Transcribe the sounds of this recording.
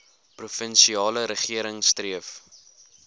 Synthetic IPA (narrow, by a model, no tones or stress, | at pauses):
prufənsiɑːləɾəχiəɾəŋstriəf